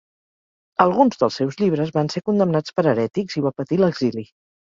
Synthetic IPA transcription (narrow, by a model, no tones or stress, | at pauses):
əlˠɣunzðəlˠsewzʎiβ̞ɾəzβansekund̪əmnat͡spəɾəɾɛt̪ikziβapət̪iləɡzili